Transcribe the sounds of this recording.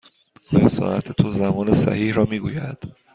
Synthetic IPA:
ɒːjɒsɒ̰ːʔæt̪ʰet̪ʰozæmɒːnesæ̰hiːhɾɒːmiːɡuːjæd̪̥

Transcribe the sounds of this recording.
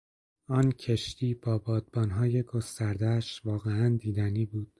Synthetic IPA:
ɒːncʰe̞ʃt̪ʰiːb̥ɒːbɒːd̪̚bɒːnɦɒːje̞ɡo̞st̪æɾd̪ææʃvɒːɣeænd̪iːd̪æniːbuːd̪̥

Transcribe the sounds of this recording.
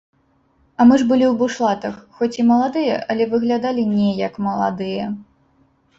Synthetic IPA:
ɐmɨʐbɨlʲiwbuʂlˠat̪ɐxxɔt͡sʲimɐlˠad̪ɨjɐ̰ʔɐlʲɛvɨɣlʲad̪alʲinʲɛjɐkmɐlˠa̰d̪ɨjɐ

